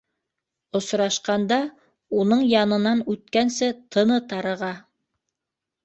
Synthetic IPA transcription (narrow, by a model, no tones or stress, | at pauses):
ŏsɾɑʃqɑnd̪ɑ | unɤɴjɑnɤ̆nɑnʉt̪̚kænsɘt̪ʰɤ̆nɤt̪ɑɾɤ̆ʁɑ